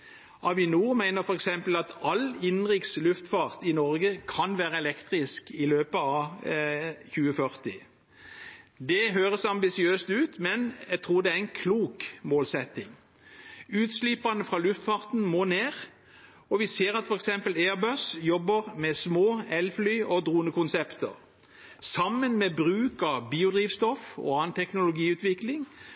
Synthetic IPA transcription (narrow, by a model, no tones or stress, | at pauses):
ʔɑʋɪnuːmæɪnəʁfɔʁɛksɛmpəlɑt̪ɑlɪnʁɪkslʉft̪fɑʁt̪ɪnɔʁɡəkʰɑnʋæːʁəɛlɛkt̪ʁɪskɪløːpəɑ | çʉːəfœʁt̪ɪ | d̪ɛɦøːʁəsɑmbɪsɪøːst̪ʉːt̪mɛnjæt̪ʰʁuːɾd̪ɛæɪnkʰluːkmoːlsɛt̪ɪŋ | ʉːt̪slipɑnəfʁɑːlʉft̪fɑʁt̪nmoːneːʁ | ɔʋɪseːɾɑt̪fɔɾɛksɛmpəleːʁbœsjɔbːəʁmɛsmoːɛlflyːʔɔd̪ʁuːənəkʊnsɛpt̪ə̰ʁ | sɑmənmɛbʁʉːkɑʋbiːʊd̪ʁiːʋst̪ɔfɔ̰ɑːənt̪ʰɛknʊlʊɡiːʉːt̪ʋɪklɪŋ